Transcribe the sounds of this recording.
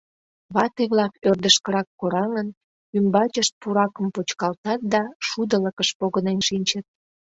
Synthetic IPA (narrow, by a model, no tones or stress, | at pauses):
βɑt̪eβlɑkørd̪əʃkəɾɑkːoɾɑŋən | ymbɑt͡ɕəʃt̪̚puɾɑkəmpot͡ɕkɑlt̪ɑt̪̚d̪ɑʃud̪ələkəʃpoɣənenʃinʲt͡ɕət̪̚